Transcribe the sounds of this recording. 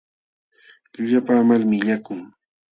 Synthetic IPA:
ʎʊʎapaːmalmɪʎakʊŋ

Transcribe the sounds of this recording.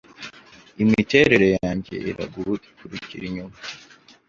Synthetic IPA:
imite̞ɾe̞ɾe̞jaːɲɟe̞̰ʔiɾa̰ɡuɾuikuɾiciɾiɲuma

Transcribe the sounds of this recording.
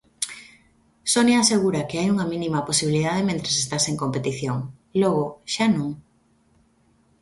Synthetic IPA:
sonjaːseɣuɾɐkeajuŋɐminimɐposiβiliðaðemẽnt̪ɾesest̪aseŋkompet̪iθjoŋ | lɔɣoʃanũŋ

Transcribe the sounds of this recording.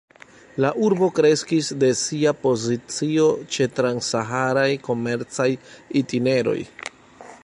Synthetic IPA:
laʔuɾbo̞kɾe̞skisde̞siapo̞zit͡sio̞t͡ʃe̞tɾansaɦaɾajko̞me̞ɾt͡sajitine̞ɾo̞̰j

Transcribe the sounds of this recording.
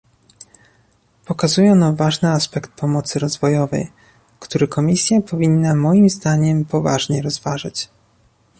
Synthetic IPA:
pɔkazujɛnavaʐnɘaspɛkt̪̚pʰɔmɔt̪sɘɾɔzvɔjɔvɛ̰j | kt̪uɾɘkɔmʲisʲjapɔvʲinːamɔjimzd̪aɲɛmpɔva̰ʐɲɛɾɔzvaʐɘt͡ɕ

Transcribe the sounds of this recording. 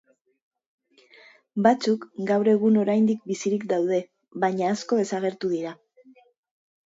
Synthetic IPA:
bat͡sukɡawɾe̞ɣ̞uno̞ɾajnd̪ik̚bisiɾikd̪awðe̞ | βajɲaːsko̞e̞saɣ̞e̞ɾt̪uðiɾa

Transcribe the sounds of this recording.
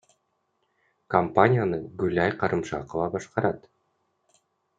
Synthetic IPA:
kɐmpanʲijanɯɡʉlʲajqɑɾʔɯmʃɑ̰qəvɑbɑʃqɑɾɑt̪

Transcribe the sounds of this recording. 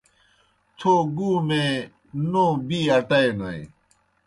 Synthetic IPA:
t͡ɕʰoːɡuːmẽ | nõːbiːɐʈɐenoḛ̃

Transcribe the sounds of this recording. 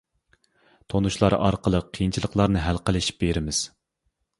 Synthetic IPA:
t̪ʰonuʃlˠɑɾɑ̰ɾqəlˠəqʰːijint͡ʃʰilˠəqʰlˠɑɾnɨɦælqəlˠɨʃi̥p̚beɾɪmɪz̥

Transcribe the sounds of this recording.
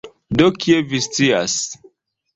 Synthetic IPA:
dokʰievist͡sia̰s

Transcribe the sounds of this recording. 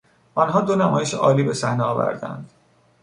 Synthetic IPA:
ʔɒnɦɒːd̪onæmɒːjeʃeʔɒːliːbe̞sæhneɒːvæ̰ɾd̪æ̰nd̪̥

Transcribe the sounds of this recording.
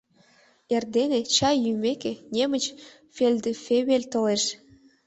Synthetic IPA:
erd̪enĕt͡ɕɑjːymʲekĕnʲemə̆t͡ɕ | fʲelʲd̪øfʲeβelʲt̪ɤ̆leʃ

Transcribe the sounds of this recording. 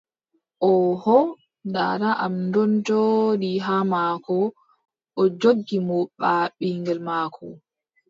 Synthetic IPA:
ʔɔhɔ | da̰ɾaʔamndɔntɔɗiɦamaːkʰɔ | ʔɔd͡ʒoɡːimɔɓaɓiŋɡɛlmaːkʰɔ̰

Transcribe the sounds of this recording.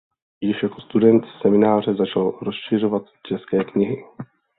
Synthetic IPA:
jɪʃjako̞st̪udɛnt̪sɛmɪnaːr̝ɛzat͡ʃalɾo̞sʃɪr̝ovat̪t͡ʃɛskɛːkɲɪɦɪ

